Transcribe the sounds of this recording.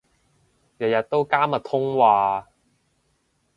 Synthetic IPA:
jɐ˨jɐ˨t̚t̪ːo˥wkaː˥mɐ˨t̪ʰʊ˥ŋwaː˧

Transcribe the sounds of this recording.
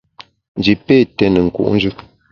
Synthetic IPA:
n̩˨d͡ʒi˨pe˦˨tɛ˨nə˨ŋ̩˨kṵ˨ʔn̩˦d͡ʒʉ˦

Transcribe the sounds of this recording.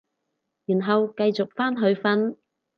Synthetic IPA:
jyː˨˩nɦɐ˨wkɐ˧jt͡sʊ˨k̚faː˥nɦɵ˨˧ɥfɐ˥n

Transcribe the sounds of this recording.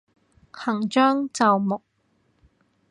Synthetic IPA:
hɐ˨˩ŋt͡ʃœː˥ŋt͡sɐ˨wmʊ˨k̚

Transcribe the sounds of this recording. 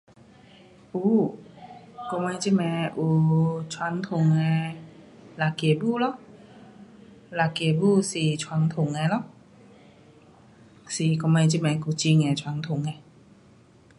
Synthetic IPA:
ʔu˧˦ | kɔ˧˦ma˧jt͡ɕi˧˥˨mɛ˧ʔuː˧˩t͡ɕʰwa˧˥ŋt̪ʰu˨˩ŋːɛ˧ | la˨˧˩ke˨˩buː˥˨lɔ˧˥˨ | la˨˩ke˨˩buː˧˩˨siː˧˩t͡ɕʰwa˧˥˦ŋt̪ʰu˨˩˨ŋːa˧˦lɔ˧˥ʔ | siː˧˨˩kɔ˧ma˧jt͡ɕi˧˩mɛ˧˩kuː˧˩t͡ɕi˧ŋːɛ˧˩t͡ɕʰwa˧˥˦ŋt̪ʰu˨˩˦ŋːa˧˦

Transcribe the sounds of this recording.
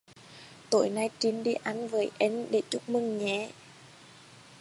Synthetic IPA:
t̪o˧˩˦jna˧jt͡ɕi˨˦nɗi˧ʔa˨˧˩nvəː˨˦jʔɛ˧˥nɗe˧˩t͡ɕʊ˦˥k͡p̚mɨ˧˩ŋɲɛ˧˩˦

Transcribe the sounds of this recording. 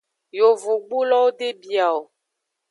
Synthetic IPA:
jo˨vu˨ɡ͡bu˦lɔ˦wo˦ɖe˦bi˨a˨o˨

